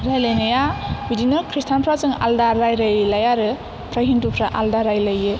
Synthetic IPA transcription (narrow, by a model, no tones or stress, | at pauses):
ɾajlajnajabidinɯkʰɾistʰanpʰɾazɯŋa̰ldaɾːajɾajlajaɾɯ | pʰɾaɦintupʰɾaʔa̰ldaɾajlajɯ